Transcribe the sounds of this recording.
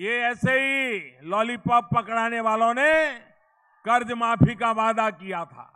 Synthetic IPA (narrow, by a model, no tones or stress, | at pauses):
jeɛːseɦilɔːlipɐb̚pɐkɽaːneʋaːlõne | kɐɾd͡ʒmaːpʰikaʋaːd̪akijat̪ʰa̰ː